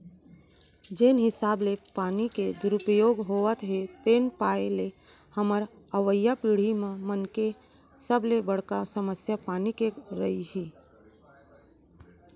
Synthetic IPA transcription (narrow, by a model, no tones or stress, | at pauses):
d͡ʒeːnɦɪsaːblepaːniked̪ʊɾʊpəjoːɡɦoːət̪ɦet̪eːnpaːele | həməɾ | əʋəjːapiːɽ̤imẽmənke | səblebəɽ̤kasəməsjapaːnikeɾəiɦiː